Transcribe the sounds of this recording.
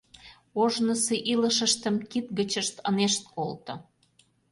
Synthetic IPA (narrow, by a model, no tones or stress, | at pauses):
oʒnəseʔilə̆ʃəʃt̪əmkit̪̚ɣə̆t͡ɕəʃt̪əneʃt̪̚kolt̪ŏ